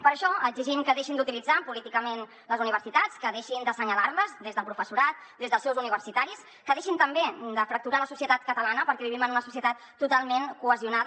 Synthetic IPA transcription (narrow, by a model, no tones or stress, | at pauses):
pəɾəʃɔəɡziʒimkəðeʃind̪ut̪ilid͡zapulit̪ikəmen | ləzuniβəɾsit̪at͡skəðeʃind̪əsəɲəlaɾləzd̪ezðəlˠpɾufəsuɾat̪̚ | d̪ezðəlˠsɛwzuniβ̞əɾsit̪aɾis | kəðeʃint̪əmbed̪əfɾək̚t̪uɾaləsusiət̪at̪̚kət̪əlanəpəɾkɛβiβimənunəsusiət̪at̪ːut̪alˠmenkuəziunað